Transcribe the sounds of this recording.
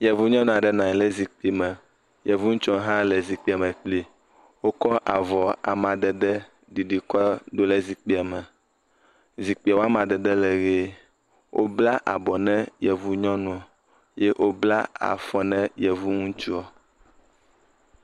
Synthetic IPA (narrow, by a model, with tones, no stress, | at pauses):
jɛ˨vu˦ɲɔ̃˦nũ˨a˨ɖɛ˦nã˨ɲ˨lɛ˦zi˨k͡pi˦mɛ̃˨ | jɛ˨vu˦ŋũ˦t͡ʃɔ̃˦ɦã˦lɛ˨zi˨k͡pi˨a˨mɛ̃˨k͡pli˦ | wo˦kɔ˦ʔa̰˨vɔ˨a̰˨mã˨d̪ɛ˨d̪ɛ˦ | ɖi˨ɖi˨kɔ˦ɖ̪o˦lɛ˦zi˨k͡pi˦a˨mɛ̃˨ | zi˨k͡pi˨a˨wo˦a˦mã˨d̪ɛ˨d̪ɛ˦lɛ˨ɣe˦ | wʔo̰˦bla˦ʔa̰˨bɔ˨nɛ̃˦jɛ˨vu˦ɲɔ̃˦nũ˨a˨ | je˦ʔo˦bla̰˦a̰˨fɔ˨nɛ̃˦jɛ˨vu˦ŋũ˦t͡ʃu˦ɔ˨